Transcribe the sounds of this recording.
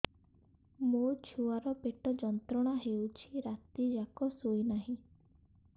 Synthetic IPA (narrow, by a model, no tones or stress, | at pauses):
mot͡ʃʰuaɾɔpeʈɔd͡ʒɔnt̪ɾɔɽ̃aɦewt͡ʃʰiɾat̪id͡ʒakɔsojnaɦĩ